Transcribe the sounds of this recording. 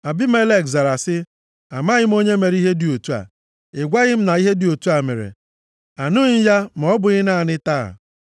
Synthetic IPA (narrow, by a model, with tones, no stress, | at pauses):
a˨bɪ˦me˦le˦˨kza˨ɾa˨sɪ˦ | a˨ma˦ɣɪ˦m̩˦o˦ɲe˦me˨ɾi˦ɦe˦di˨o˨tu˦a̰˨ | ɪ˨ɡʷa˦ɣɪ˦m̩˦na˨i˦ɦe˦di˨o˨tu˦a˨mḛ˨ɾḛ˨ | a˨nʊ˦ɲ̩˦ja˦m̩˨ɔ˦bʊ˨ɣɪ˦na˦˨a˨nɪ˦ta̰˦˨